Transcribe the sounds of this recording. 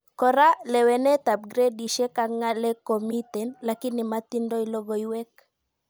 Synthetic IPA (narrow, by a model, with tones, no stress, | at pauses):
kɔ˨ɾa˦lɛ˨wɛ˨nɛ˦t̪a˨p̚ɡɾe˦di˨ʃe˦kaŋːa˦lɛ˦ko˨mit̪ɛ˨nlaki˦nːi˨ma˦t̪i˦ndɔ˦ilɔ˦ɡɔ˨iwɛ˦k